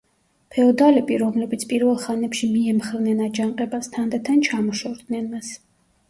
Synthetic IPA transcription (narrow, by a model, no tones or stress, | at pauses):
pʰɛɔd̪alɛbiɾɔmlɛbit̪sʰpʼiɾvɛlˠχanɛpʃimiɛmχɛvnɛnad͡ʒaɴqʼɛbast̪ʰand̪at̪ʰant͡ʃʰamɔʃɔɾd̪nɛnmas